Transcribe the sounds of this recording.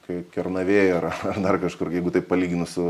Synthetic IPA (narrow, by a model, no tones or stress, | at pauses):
kɐɪkʲɛrnɐʋʲeːjɛɐrɐɐrd̪ɐrkɐʃkʊrjɛɪɡʊt̪ɐɪppɐlʲiːɡʲɪnʊsʊ